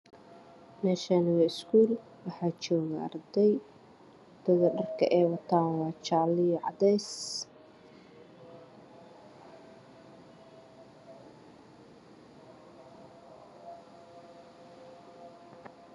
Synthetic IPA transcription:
nɛːʃɐnwɪskʰuːl | wɑħɑːt͡ʃɔːɣɐɐ̰rd̪ɛj | d̪̥ɐɣɐɖɐrkʰɐ̰ʔɛːwɐt̪ʰaːwɑːt͡ʃaʕlɪjʕɑ̰d̪ɛjs

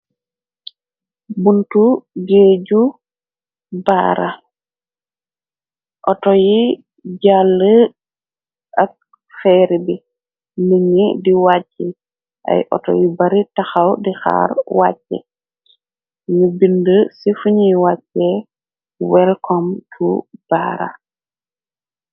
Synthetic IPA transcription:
buntuɡeːɟu | ba̰ːɾa | ʔɔtɔji | ɟalːə | ʔak̚ | fɛːɾibi | niɲidiwat͡ʃːɛ | ʔa̰jʔɔ̰tɔ̰jibaɾitaxawdixa̰ːɾwa̰t͡ʃːɛ̰ | nubindəsifuɲiwat͡ʃːɛ | wɛlkɔmtʰub̥a̰ːɾa̰

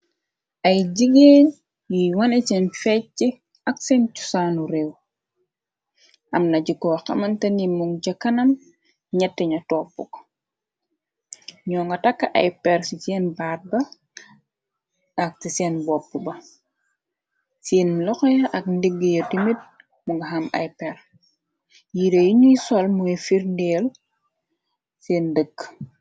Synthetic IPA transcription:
ʔɐjɟiɡeːn | jiwɐnet͡ʃɛnfɛi | ɐksɛːncu̥saːnuɾew | ʔɐmnɐɟikːɔwxɐ̰mɐntɐnimuŋɟɐkːɐnɐm | ɲɛtːɛɲɐtɔːpːuk | ɲɔːŋɡɐtakːaʔɐ̰jpɛɾsit͡ʃɛːnbaːt̚bɐ | ɐk̚tisɛːnbɔpːubɐ | siːnlɔxɔjɐʔɐk̚ndiɡːijɐdimit̚ | muŋɡɐɦɐmɐ̰jpɛr | jiɾejiɲujsɔlmuifiɾndeːl | seːndəɡ

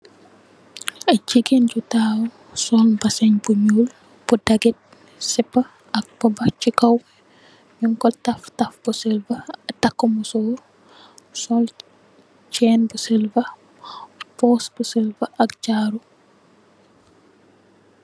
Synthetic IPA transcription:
ɐɟiɡend͡ʒutawu | sɔlbɐsɐɲbuɲuːl | b̥udɐɡɛt̚ | sɛpːɐ | ɐk̚b̥ɐbɐcikɐw | ɲuŋkɔltɐftɐfbusɛlvɐtɐkːɔmusɔːr | sɔl | t͡ʃɛːnbusɛlvɐ | pɔːsbusɛlvɐʔɐk̚d͡ʒaːɾu

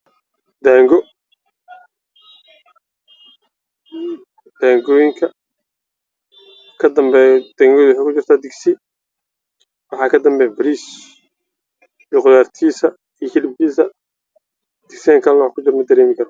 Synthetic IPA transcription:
d̪aːŋɡɔ | d̪̥aːŋɡɔjɪŋkʰɐ | kʰɐd̪ɐmbɛd̪̥aːŋɡɔjðʊwʊħekʰʊt͡ʃɪr̥t̪ʰaːd̪ɪɡsɪ | wɑħɑːkʰɐd̪ɐmbɛːbɐɾiːs | biqʊðaːrt̪ʰiːsɐ | ijhɪlɪb̚kʰiːsɐ | d̪̥ɪɡsiaŋkʰɐlɐnwkʰʊd͡ʒɪɾmɐd̪ɐɾɛːmɪkʰɐɾɔ

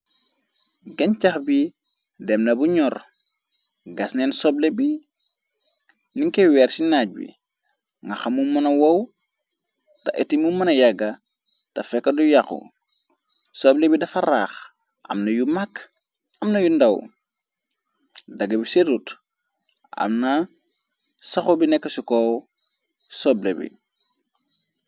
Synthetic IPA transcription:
ɡencaxbi | demnɐbuɲɔr | ɡasnensoblebi | niŋkewɛːɾsinaɟ̚wḭ | ŋɡaxamumɐnɐwɐw | tɐ̰ʔḛtimumɐnɐjɐɡɐ | tɐfɛkːɐdujakṵ | soːblebidɐfaɾaːx | ʔɐ̰mnɐjumak | ɐmnɐjundɐw | dɐɡɐbiseɾut | ʔa̰mna | saxobinekːɐsiko | soblḛbḭ

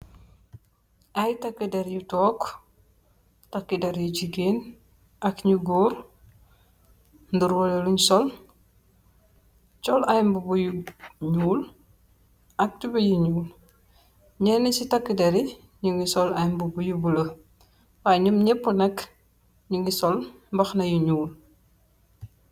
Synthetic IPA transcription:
ajtakːideɾjutɔːk | takːidɛɾjuɟiɡeːn | ʔɐkɲuɡuːɾ | nduɾwoleluɲsɔl | t͡ʃɔlajmbubujuɲuːl | ɐk̚tubɐjiɲuːl | ɲɛnesitakːidɐɾi | ɲuŋisɔlajmbubujubulə | waɲumɲɛpːunɐk | ɲuŋisɔl | mbɐxnɐjiɲuːl

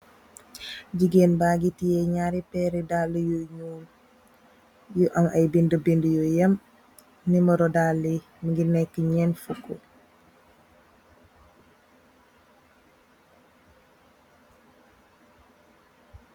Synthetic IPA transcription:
d͡ʒiɡenbaːɡitijɛɲaɾipɛɾidalːəjoɲuːl | juʔɐŋɐjbindəbindəjojɐm | niməɾɔdalːi | məɡinɛkːəɲɛnfukːo

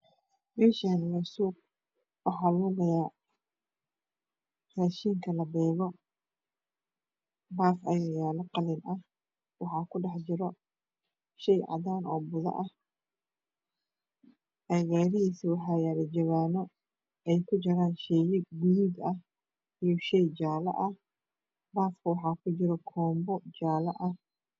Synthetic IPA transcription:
mɛːʃanmʊsuːb̚ | wɑħɑːluːɣɐja | raːʃiːŋkʰɐlɐbɛːɣɔ | baːfʔɐjɐjaːlɐqɑlinʔɐh | wɑħɑːkʰʊɖɑħd͡ʒɪɾɔ | ʃɛjʕɑ̰ðaːnɔːbʊðɐ̰ʔɐh | ʔɐɣaːɾɪɦiːsiwɑħɑːjaːɾɐd͡ʒɐβaːnɔ | ɛjkʰʊd͡ʒɐɾaːnʃɛjɪɡuɡ̪ɐh | ijɔʃɛjd͡ʒaːlɐ̰ʔɐh | baːfkʰɐwɑħɑːkʰʊt͡ʃɪɾɔkʰɔːmbɔd͡ʒaːlɐʔɐh

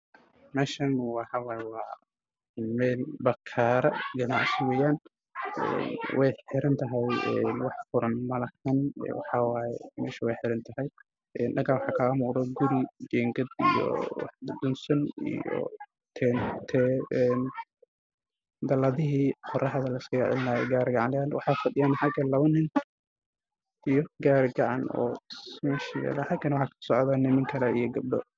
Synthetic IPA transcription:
mɛːʃɐnwɑħɑwɑːjɛwɑː | mɛːlbɐkʰaːɾɐɡɐnaʔsɪwɛjaːn | ɛ̰ːnwʔɛjħɪɾɐnt̪ʰɐɦɛjɛnwɑħfʊɾɐnmɐlɐkʰɐnɛ̰wɑħɑwɑːjɛmɛːʃɐwɛjħɪɾɐnt̪ʰɐhɛj | ɛːnɖɐɡawɑħɑːkʰɐːmuːɾɐɡʊɾid͡ʒɛːŋɡɐd̪ḭjɔ̰wɑ̰ħbʊd̪ʊnsɐnḭjɔ̰ | t̪ʰɛːnt̪ʰɛɛn | d̪ɐlɐðɪɦiːqɔrɐɦɐðɐlɐɪskɐjɛʕɪ̰lnaːjɛɡaːɾɡɑʕɑnlaːnwɑ̰ħɑːfɐɗɪjaːnħɑɡɐlɐβɐnɪnt̪ | ijɔɡaːɾɡɑʕɑ̰nɔ̰ːmɛːʃɐja̰ːlaːħɑɡɐnɐwʊħɑːkʰɐ̥sɔʕðaːnɪmɪŋkʰɐlɐḭjɔɡɐb̚ɖɔ̰

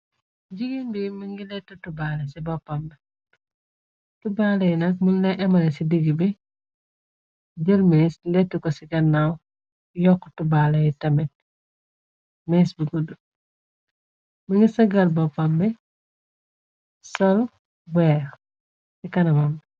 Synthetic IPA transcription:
d͡ʒiɡinbimiŋɡilɛtːutubalɐsibɔpambɛ | tubalɐjinɐk̚munlɛʔɛmɐlɛsidiɡibi | ɟəlmeslɛtːukɔsiɡɐnːaw | jɔkːutubalɐjitɐmɛt̚ | mɛsbiɡudu | mɐŋɡisɐɡɐlbɔpːambɛ | sɔl | wɛːɾ | sikɐnɐmɐm

